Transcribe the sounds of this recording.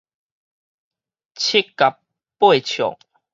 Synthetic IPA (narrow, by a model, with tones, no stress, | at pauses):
t͡ɕʰi˦kːa˨p | pːwe˥˨t͡ɕʰjɔ̰˨˩ŋ